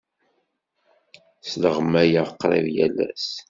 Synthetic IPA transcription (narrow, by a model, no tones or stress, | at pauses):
sləʁmæjəqːɾˤḛðjælːæ̰s